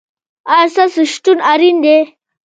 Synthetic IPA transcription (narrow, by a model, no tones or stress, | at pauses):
aɾsasəʂʈunaɾind̪e